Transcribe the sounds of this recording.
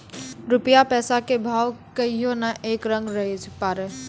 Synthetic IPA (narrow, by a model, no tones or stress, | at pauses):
ɾʊpjapɛːsakebʱaːwkəiɦonaʔeːkɾə̃ŋɡɾəɦed͡ʒʰpaːɾe